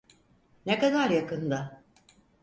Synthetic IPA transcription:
nekad̪aɾjakɯnd̪a

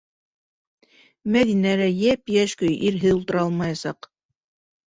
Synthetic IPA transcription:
mæðinælæjæpjæʃkɵjʔiɾɦɘðulˠt̪ɤ̆ɾɑlˠmɑjɑsɑq

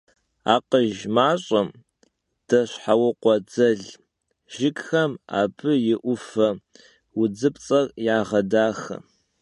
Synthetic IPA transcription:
a̰ːqəʒmaːɕʼɐm | d̥ɐɕħawɐqʷɔd͡zɐɮ | ʒ̥ɪkxɐma̰ːbʰɨjɪʔʷʊfɐ | wʊd͡zɨpt͡sʼɐrjaːʁɐdaːxɐ̰

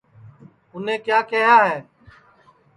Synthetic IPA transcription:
ʊn̤ẽːkjaːkɪɦaːɦɛː

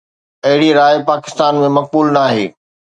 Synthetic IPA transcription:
ɐɦɪɽiɾaːjpaːkɪ̥st̪aːnmẽmɐk̚buːlnaːɦḛː

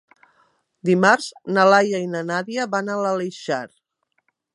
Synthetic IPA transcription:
d̪imaɾznalajainanaðiəβanaləleʃaɾ

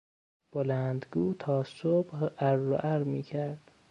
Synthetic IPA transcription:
b̥olænd̪ɡuːt̪ʰɒːsobæɾːo̰ʔæɾmiːcʰæɾd̪̥

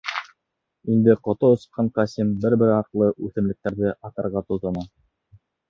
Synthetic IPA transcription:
ind̪ɘqŏt̪oŏsɤ̥̆qʰːɑɴqɑsʲimbɘɾbɘɾɑqlˠɤʔʉθɘ̆mlɘ̆k̚t̪æɾðɘʔɑt̪ɑ̆ɾʁɑt̪uðɑ̆nɑ

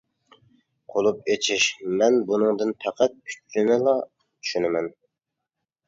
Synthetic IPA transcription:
qʰolˠupet͡ʃʰiʃmɛnbunɨŋd̪ɨnpʰæqʰæt̪̚yt͡ʃːɪnɪlˠɑ | t͡ʃ̪ʰy̥ʃynɪmɛn

